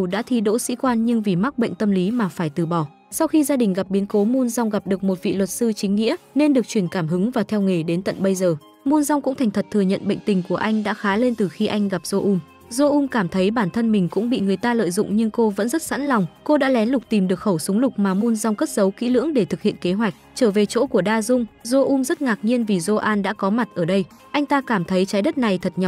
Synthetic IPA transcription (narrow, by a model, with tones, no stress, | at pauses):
ɗa̰ː˧˥t̪ʰi˧ɗo̰˧˥sḭ˧˥kwaː˧nɲɨ˧ŋvi˨˩ma˦˥k̚ɓə̰˧˨jŋ̟t̪ə˧mli˨˦maː˨˩faː˧˩jt̪ɨ˨˩ɓɔ˧˩ | sa˧wxi˧zaː˧ɗï˨˩ŋ̟ɣa˨˩p̚ɓi˨˦nko˨˦mu˧nza˧wŋ͡mɣa˨˩p̚ɗɨ˨˩ək̚mo˨˩t̚vḭ˧˨lwə˨˩t̚sɨ˧t͡ɕï˨˦ŋ̟ŋḭ˧˥əne˧nɗɨ˨˩ək̚t͡ɕwi˧˩ənkaː˧˩mɦɨ˨˦ŋvaː˨˩t̪ʰɛ˧wŋe˨˩ɗe˨˦nt̪ə̰˧˨nɓə˧jzəː˨˩ | mu˧nza˧wŋ͡mkʊ̰˧˥ŋ͡mt̪ʰɛ˨˩jŋ̟t̪ʰt̚t̪ʰɨ˨˩əɲə̰˧˨nɓə̰˧˨jŋ̟t̪ï˨˩ŋ̟ku˧˩əʔa˧jŋ̟ɗa̰ː˧˥xaː˨˦le˧nt̪ɨ˨˩xi˧ʔa˧jŋ̟ɣa˨˩p̚z̥o˧ʔu˧m | zo˧ʔu˧mkaː˧˩mt̪ʰə˨˦jɓaː˧˩nt̪ʰə˧nmï˨˩ŋ̟kʊ̰˧˥ŋ͡mɓḭ˧˨ŋɨ˨˩əjt̪aː˧lə̰ː˧˨jzʊ̰˧˨ŋ͡mɲɨ˧ŋko˧və̰˧˥nzə˦˥t̚sa̰˧˥nlɔ˨˩wŋ͡mko˧ɗa̰ː˧˥lɛ˨˦nlʊ˨˩k͡p̚t̪i˨˩mɗɨ˨˩ək̚xə˧˩wsʊ˨˦ŋ͡mlʊ˨˩k͡p̚maː˨˩mu˧nza˧wŋ͡mkə˦˥t̚zə˨˦wkḭ˧˥lɨ̰˧˥əŋɗe˧˩t̪ʰɨ˨˩k̚hḭ˧˨ənke˨˦ɦwa˨˩jk̟̚t͡ɕəː˧˩ve˨˩t͡ɕo̰˧˥ku˧˩əɗaː˧zʊ˧ŋ͡mzo˧ʔu˧mzə˦˥t̚ŋaː˨˩k̚ɲi˧ənvi˨˩zo˧ʔaː˧nɗa̰ː˧˥kɔ˨˦ma˨˩t̚ʔəː˧˩ɗə˧j | ʔa˧jŋ̟t̪aː˧kaː˧˩mt̪ʰə˨˦jt͡ɕaː˨˦jɗə˦˥t̚na˨˩jt̪ʰə˨˩t̚ɲa˨˩